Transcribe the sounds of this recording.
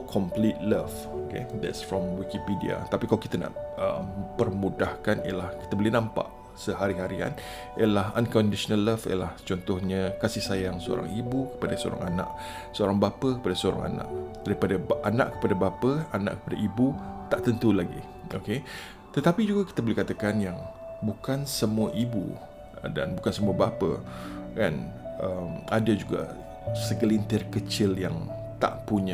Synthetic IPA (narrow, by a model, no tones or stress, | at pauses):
kʰɔmplit̪̚ləf | okḛd̪ɛ̰tsfɹɔmwikipidia̰t̪apikalokit̪ana̰ʔəmpərmudahkanḭjə̰lahkit̪əbolenãmpa̰ʔ | səɦaɾiɦaɾia̰n | ijəlahɦã̰nkɔndiʃɔnalːəfiəlaht͡ʃɔnt̪ɔhɲakasɪhsajaŋsəo̰ɾa̰ŋibukə̥padasəo̰ɾa̰ŋanã̰ʔ | səoɾaŋbapəkəpadasəoɾa̰ŋa̰na̰ʔd̥aɾipadaana̰ʔkə̥padabapəana̰ʔkəpadaibut̪aʔt̪ənt̪ulaɡḭ | oke | t̪ət̪apid͡ʒuɡaki̥t̪abolɛhkat̪akanjaŋbukansəmuaʔibṵ | da̰nbukansəmuabapə̰kanʔəmadad͡ʒuɡa̰ | səɡəlint̪ɪrkət͡ʃɪljaŋt̪a̰ʔpuɲa